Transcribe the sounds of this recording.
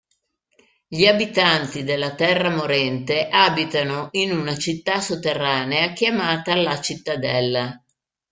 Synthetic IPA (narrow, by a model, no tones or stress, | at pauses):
ʎiabit̪ant̪id̪elːat̪ɛrːamoɾɛnt̪eʔabit̪anoʔinunat͡ʃit̪ːasot̪ːerːaːneak̟jamaːt̪aːlːat͡ʃit̪ːad̪ɛlːa